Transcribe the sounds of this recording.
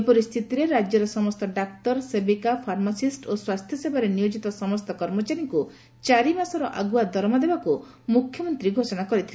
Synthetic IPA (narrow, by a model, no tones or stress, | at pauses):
pɔɾist̪ʰit̪iɾeɾad͡ʒjɔɾɔsɔmɔst̪ʰɔɖak̚ʈɔɾsebikapʰaɾmasisʈoswast̪ʰjɔsebaɾenijod͡ʒit̪ɔsɔmɔst̪ʰɔkɔɾmɔt͡ʃaɾjɔŋku | t͡ʃaɾimasɔɾɔʔaɡuad̪ʱɔɾmɔd̪ebaku | mukʰjɔmɔnt̪ɾiɡʱosɔɽ̃akɔɾit̪ʰile